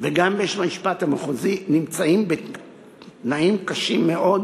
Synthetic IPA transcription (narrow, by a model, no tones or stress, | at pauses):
veɡambeeʃmamiʃpat̪amaχuzinimt͡saimbe | tnaimkaʃimːeʔo̞d̪